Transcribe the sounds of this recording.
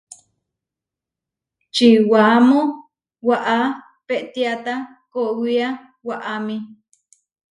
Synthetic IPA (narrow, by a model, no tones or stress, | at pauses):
t͡ʃiwamo | waʔa | peʔt̪iat̪a | koʔwia | waʔami